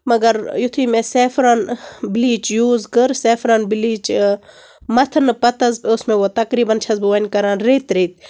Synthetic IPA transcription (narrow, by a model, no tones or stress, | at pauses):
mɐɡɐɾjut̪ʰiːmeseːfɾanbiliːt͡ʃjuːzkɨɾseːfɾɐnbiliːt͡ʃ | mɐt̪ʰɐnɨpɐt̪ɐzposmẽʋot̪ɐkɾiːbɐnt͡ʃʰɐzbɨʋɐnʲkɐɾaːnɾeːt̪ɾeːt̪̚